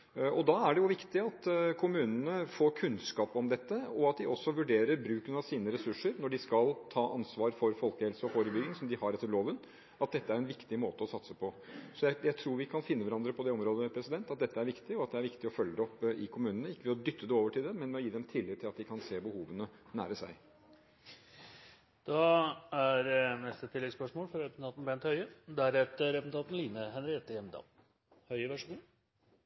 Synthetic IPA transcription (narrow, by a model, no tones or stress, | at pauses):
ʔɔd̪ɑæɖɛjʊʋɪkt̪ɪɑt̪kʰʊmʉːnənəfoːkʰʉnskɑːpɔmd̪ɛt̪ːəɔɑt̪̚d̪ɪɔsːɔʋʉɖeːɾəɾbɾʉːknɑsiːnəɾɛsʉʂːəɾnɔɖɪskɑlt̪ʰɑːʔɑnsʋɑːɾfɔɾfɔlkəhɛlsəɔfoːɾəbʏɡɪŋsɔmd̪ɪhɑɾɛt̪ːəloːʋən | ʔɑt̪̚d̪ɛt̪ːəæɾɛnʋɪkt̪ɪmoːt̪əɔsɑt̪səpʰɔsɔjæɪjæɪt̪ʰɾuːɾʋɪkʰɑnfɪnːəʋæɾɑnd̪ɾəpʰɔd̪ɛɔmɾoːd̪əpʰɾɛsɪd̪ɛnt̪ɑt̪̚d̪ɛt̪ːəæɾʋɪkt̪ɪɔɑt̪̚d̪ɛæɾʋɪkt̪ɪɔfœlːəd̪ɛɔpːɪkʰʊmʉːnənəɪkːəʋɛɔd̪ʏt̪ʰːəd̪ɛoːʋəʈʰɪld̪ɛmɛnmɛɔjiːd̪ɛmt̪ʰɪlːɪt̪ʰːɪlɑt̪d̪ɪkʰɑnseːbəhuːʋənənæ̰ːɾəsæ̰ɪ | d̪̥ɑæɾnɛst̪ət̪ʰɪlːɛɡspœʂmoːlfɔɾɛpsn̩ʰɑːt̪n̩bɛnt̪hœʏəd̪æɾɛt̪əɾɛpsn̩ʰɑːt̪n̩liːnəɦɛnɾɪeːt̪əjɛmd̪ɑ̰ːl | hœʏəʋæʂuːn